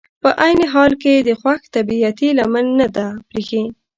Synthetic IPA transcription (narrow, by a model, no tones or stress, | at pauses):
pəʔajneɦɑlked̪əxwaxt̪abiat̪ilamanːad̪apɾexi